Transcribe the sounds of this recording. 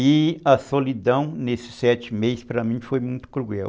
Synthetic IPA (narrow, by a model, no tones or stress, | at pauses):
iɐsolid̪ɐ̃w̃nesɪ̥sɛt͡ʃɪmejspɾɐmĩfojmũj̃t̪ʊ̥kɾuɡɛw